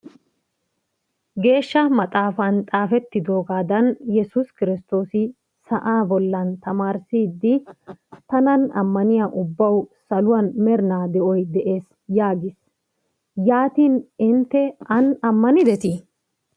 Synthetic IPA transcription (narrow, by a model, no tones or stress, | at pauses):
ɡe̞ːʃːɐmɐt̪ʼaːfɐnt̪ʼaːfɛt̪ːɪd̪o̞ːɡaːd̪ɐnjɛsʊskɪɾɪst̪o̞ːsɪ | sɐʔaːbɔlːɐnt̪ɐmaːɾsiːd̪ːɪt̪ɐnɐnɐ̰mːɐnɪjaːʔʊbːɐwsɐlʊwɐnmɛɾnaːd̪ɛʔɔjd̪ɛʔe̞ːs | jaːɡɪs | jaːt̪iːnɪnt̪ːɛɐnɐmːɐnɪd̪ɛt̪i